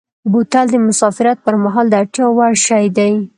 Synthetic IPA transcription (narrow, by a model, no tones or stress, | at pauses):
but̪ald̪əmʊsɑfɪɾat̪̚pəɾmaɦɑld̪əaʈjɑwaɽʃɑjd̪aj